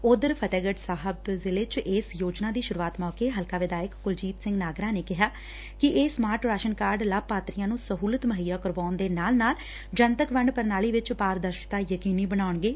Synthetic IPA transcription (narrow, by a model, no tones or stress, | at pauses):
ʊd̪əɾpʰət̪ɛːɡəɖsaːɦəbzɪleːt͡ʃʔɪːsjoːd͡ʒnaːd̪iːʃʊɾuːaːt̪mɔːkeːɦəlkaːʋɪd̪aːjəkɡʊld͡ʒiːt̪sɪ̃ŋɡnaːɡɾãːneːkɪɦaː | kɪʔeːsmaːɾʈɾaːʃənkaːɾɖlab̚paːt̪ɾijãːnũːsəɦuːlət̪məɦijaːkəɾʋaːʊnd̪eːnaːlnaːl | d͡ʒənt̪əkʋəɳpəɾnaːliːʋɪt͡ʃpaːɾd̪əɾʃɪ̥t̪aːjəkiːniːbənaːʊɳɡeː